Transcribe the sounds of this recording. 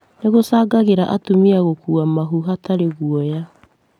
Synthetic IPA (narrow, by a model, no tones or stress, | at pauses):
neɣosaːɡaɣeɾaʔatumiaɣokuamaɦuɦataɾeɣuɔja